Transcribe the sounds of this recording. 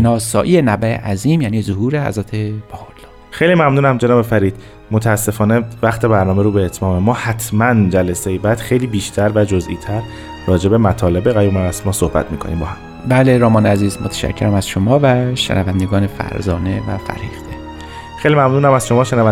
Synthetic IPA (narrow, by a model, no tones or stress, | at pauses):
nɒːsɒːʔiːenæbæḛʔæziːmjæniːzohuːɾehæ̰zɾæt̪ʰe̞b̥ɒːɣoɾlɒː | xejliːmæmnuːnæmd͡ʒenɒːbe̞fæɾiːd̪̥̚ | mot̪ʰeæsːe̞fɒːne̞væxt̪ʰe̞bæɾnɒːmeɾuːbeːt̪ʰmɒːmemɒːhæt̪ʰmænd͡ʒælesejebæd̪xejliːbiːʃt̪ʰæɾvæd͡ʒozḭːt̪ʰæɾː | ɒːd͡ʒe̞bemæt̪ʰɒːle̞beɣæjuːmæɾæsmɒːsohbæ̰t̪ʰmiːkʰonḭːmbɒːhæm | bæːleɾɒːmɒːneæziːzmot̪ʰæ̥ʃæ̰cʰːeɾæmæz̥ʃomɒːvæʃḛnʔævænd̪eɡɒːnefæ̰ɾzɒːnevæ̰fæ̰ɾhiːft̪ʰe | xejlimæmnuːnæmæz̥ʃo̞mɒːʃenævæ